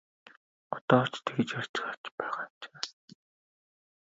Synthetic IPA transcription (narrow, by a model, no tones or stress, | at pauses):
ʊt̪ɔːt͡ɕt̪ʰeɡĕt͡ɕar̥t͡ɕɪ̥̆χat͡ɕpæːʁḁːt͡ɕe̥ː